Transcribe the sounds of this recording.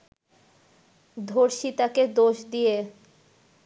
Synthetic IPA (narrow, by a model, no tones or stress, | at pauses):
d̪ʱoɾʃit̪aked̪oʃd̪ije